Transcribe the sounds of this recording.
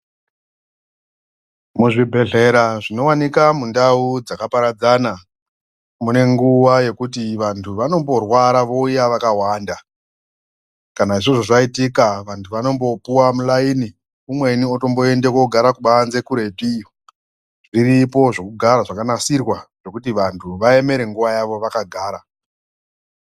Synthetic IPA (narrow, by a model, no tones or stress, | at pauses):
muʐibʱe̞ɮe̞ɾaʐino̞wanikamundaud͡zakapaɾad͡zana | mune̞ŋɡuʋaje̞kutiʋantʰuʋano̞mbo̞rwaɾaʋo̞ujaʋakawaːnda | kanaiʐoʐo̞ʐaitikaʋantʰuʋano̞mbo̞puwamulaini | umwe̞nioto̞mbo̞e̞ndekoɡʱaɾakuɓaanze̞kuɾe̞tio | ʐiripo̞ʐo̞kuɡʱaɾaʐakanasirwaʐ̥o̞kutiʋantʰuʋae̞me̞ɾe̞ŋɡuʋajaʋo̞ʋakaɡʱaːɾa